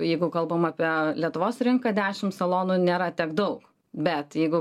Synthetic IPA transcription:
jɛɪɡʊkɐlˠbɐmɑːpʲiɛlʲiɛt̪ʊʋoːsɾʲɪŋkɐd̪ʲæːʃʲɪmsɐlˠoːnʊnʲeːɾɐt̪ʲɛkd̪ɐʊk | bʲɛt̪jɛɪɡʊ

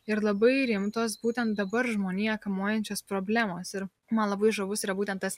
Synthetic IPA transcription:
ɪɾlˠɐbɐɪɾʲɪmt̪oːsbuːt̪ʲɛnt̪̚d̪ɐbɐɾʒmoːnʲiːɐkɐmoːjɛnʲt͡ʃʲoːspɾoːbʲlʲæːmoːsɪɾ | mɐnlˠɐbɐɪʒɐʋʊsiːɾɐbuːt̪ʲɛnt̪t̪ɐs

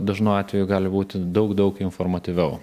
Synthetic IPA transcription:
d̪ɐʒnoʊɑːt̪ʲʋʲɛjuɡɑːlʲɪbuːt̪ʲɪd̪ɐʊkd̪ɐʊkɪnfoɾmɐt̪ʲiʋʲɛʊ

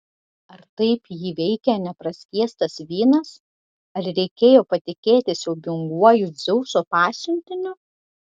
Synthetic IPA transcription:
ɐɾt̪ɐɪpjiːʋʲɛɪkʲɛnʲɛpɾɐsʲkʲiɛst̪ɐsʋʲiːnɐs | ɐɾɾʲɛɪkʲeːjoːpɐt̪ʲɪkʲeːt̪ʲɪsʲɛʊbʲʊŋɡuɔjʊzʲɛʊsoːpɑːsʲʊnʲt̪ʲɪnʲʊ

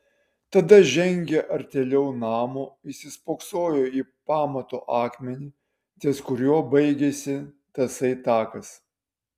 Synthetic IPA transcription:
t̪ɐd̪ɐʒʲɛŋʲɡʲɛʔɐɾʲt̪ʲeːlʲɛʊnɑːmoːɪsʲɪspoːksoːjoːiːpɑːmɐt̪oːʔɑːkmʲɛnʲiː | t̪ʲeːskʊɾʲjuːbɐɪɡʲesʲɪ | t̪ɐsɐɪt̪ɑːkɐs

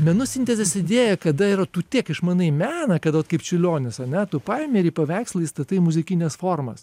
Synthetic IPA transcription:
mʲɛnʊsʲɪnʲt̪ʲɛzʲɛsʲɪd̪ʲeːjɛkɐd̪ɐɪɾɐt̪uːt̪ʲiɛkɪʃmɐnɐɪmʲæːnɐkɐt̪ʋɐt̪kɐɪpt͡ʃʲɪlʲoːnʲɪsɐnʲɛt̪ʊpɑɪmʲɛːɾʲiɪːpɐʋʲæɪksʲlˠɐɪist̪ɐt̪ɐɪmʊzʲɪkʲɪnʲɛsfoːrmɐ̰s

